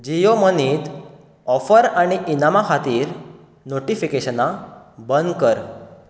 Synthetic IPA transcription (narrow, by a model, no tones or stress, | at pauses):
d͡ʑijoməniːt̪ | ɔfəɾaɽ̃iʔinamakʰat̪iːɾ | noʈifikeɕənabənd̪kəɾ